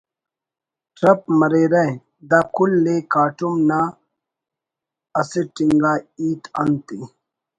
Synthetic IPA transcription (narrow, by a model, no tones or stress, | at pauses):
ʈɾɐp̚mɐɾeɾɐẽ | d̪akʰulːekaːʈumnaː | ɐseʈiŋɡaːiːt̪ɐnt̪i